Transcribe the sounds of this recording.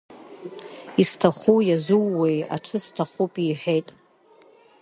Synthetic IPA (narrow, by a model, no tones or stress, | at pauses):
istʰaχujazuwːeja̰ʈ͡ʂʰɨstʰaχupʼiħʷᶣejtʼ